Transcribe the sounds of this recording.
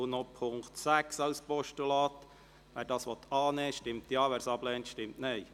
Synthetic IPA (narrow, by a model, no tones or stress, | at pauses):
nopʰʊŋktsæksɑʊspɔʃtulɑːt̪ | ʋæːɾdɑːsʋɔt̪ɑːneːʃtɪmtjɑːʋæːɾsɑblɛːntʃtɪmtnɛɪ